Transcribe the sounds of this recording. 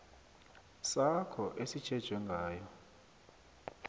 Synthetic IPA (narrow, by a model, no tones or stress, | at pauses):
sakʰɔʔesit͡ʃʰɛd̥ʒ̥ʱwɛŋɡʱaːjɔ